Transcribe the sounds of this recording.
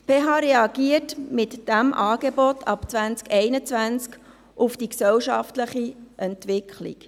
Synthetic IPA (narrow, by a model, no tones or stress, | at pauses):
pʰeːɦɑːɾɛɑɡ̥iətmɪtd̥æmʔɑːɡebɔtʰɑpt͡sʋænt͡skɛɪnət͡sʋænt͡sk | ʔʊfd̥iksɛwʃɑftləχiʔɛntʋɪkʰlḭk